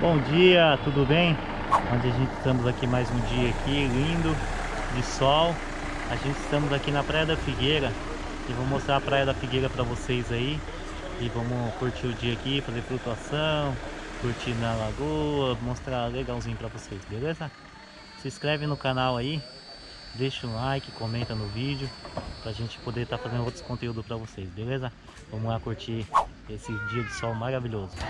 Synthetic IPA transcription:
bõd͡ʒiɐt̪ud̪ʊbẽj̃ | õnd͡ʒɪaʒẽnt͡ʃɪ̥st̪ɐ̃mʊzakimajzũd͡ʒiɐːkʰilĩd̪ʊ | d͡ʒɪsɔw | aʒẽnt͡ʃɪst̪ɐ̃mʊzakinɐpɾajɐd̪ɐfiɡejɾɐ | ɪvɐ̃m̃most̪ɾaɾɐpɾajɐd̪ɐfiɡejɾɐpɾɐvosejzai | ɪvɐ̃mʊkuɾt͡ʃiɾʊd͡ʒiɐaːkifazeɾfɾut̪uasɐ̃w̃kuɾt͡ʃinɐlaɡuɐmost̪ɾaleɡawzĩɲʊpɾɐvosejsbelezɐ | sɪskɾɛvɪ̃nʊkanawai | d̪ejʃɐũlajkɪ̥komẽnt̪ɐnʊvid͡ʒʊpɾɐʒẽt͡ʃɪ̥pod̪eɾt̪aɾfazẽnʊowt̪ɾʊ̥kõnt̪eud̪ʊpɾɐvosejsbelezɐ | vɐ̃mʊlakuɾt͡ʃiesɪd͡ʒiɐd͡ʒɪsɔwmaɾaviʎozʊ

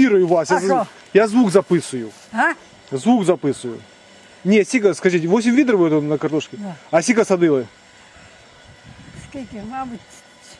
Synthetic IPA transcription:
iɾɨjʊvasja | jazvukzɐpɨsʊjʊ | a | zvukzɐpɨsʊjʊ̰ | nʲetsʲikəskɐʐitʲɪvo̞sʲɪmʲvʲid̪ɾəvot̪onnəkɐrt̪oʂkʲɪɐsʲikəsɐd̪ɨlˠə | skakʲimabɨtʲ

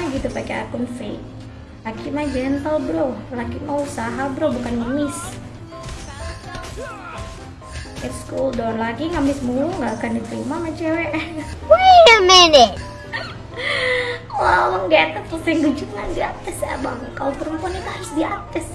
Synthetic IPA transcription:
aɡit̪upakea̰kunfḛ | lakimad͡ʒɛnt̪əlbɾolakimausaɦabɾobukanŋəmɪs | ɛt̪skuldɔnlaɡiŋamɪsmuluŋɡaːkandit̪ɾḭmamat͡ʃɛwɛʔwaŋamɛnɛ | wawaŋɡaet̪at̪̚kɔfŋɡud͡ʒuŋandiat̪əsa̰baŋkalopəɾəmpuanit̪uɦaɾʊsdiat̪ɛs

